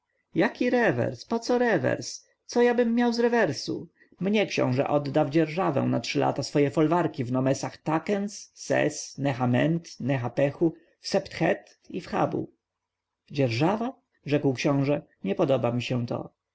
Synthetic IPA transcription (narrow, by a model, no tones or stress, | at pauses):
jakʲiɾɛvɛ̰ɾspɔt̪sɔɾɛvɛ̰ɾs | t̪sɔjabɘmːjawzɾɛvɛɾsṵ | mɲɛkɕɔ̰̃w̃ʐɛ̰ʔɔd̪ːawd͡ʑɛɾʐavɛ̰̃w̃natʂɘlʔa̰t̪asfɔjɛfɔlvaɾkʲivnɔmɛsaxt̪akɛnsːɛ̰snɛxamɛnt̪nɛxapɛxu | fsɛpt̪xɛt̪ | ifxa̰bṵ | d͡ʑɛɾʐava | ʐɛkwkɕɔ̃w̃ʐɛ | ɲɛpɔd̪ɔbamʲiɕɛ̃t̪ɔ̰